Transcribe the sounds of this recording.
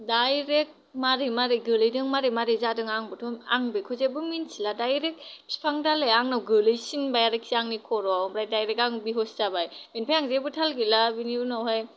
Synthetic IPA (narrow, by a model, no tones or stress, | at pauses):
dajɾek̚maɾejmaɾɯjɡɯlɯjdɯŋmaɾemaɾɯjzadɯŋaŋbɯtʰɔmaŋbɯkʰɔzebɯminsiladajɾek̚spʰaŋdalajaŋnawɡɯlɯjsinbajaɾɯksiaŋnikʰɔɾɔbɾajdajɾekaŋbiɦɔstabajbenpʰajaŋzebɯtʰalɡilabiniunawɦaj